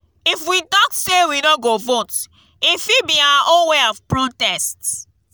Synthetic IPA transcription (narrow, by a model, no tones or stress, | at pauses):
ifwitɔksewinɔ̃ɡovot | ifibiawaʔõnweɔvpɹotɛst